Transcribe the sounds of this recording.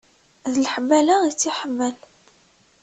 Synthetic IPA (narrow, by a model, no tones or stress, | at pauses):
ðələħmːælait͡sːiħəmːəl